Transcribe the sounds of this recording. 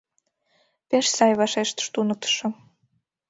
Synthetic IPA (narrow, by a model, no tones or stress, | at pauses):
peʃsɑjβɑʃeʃt̪ə̥ʃt̪unə̆k̚t̪ə̥ʃɤ̆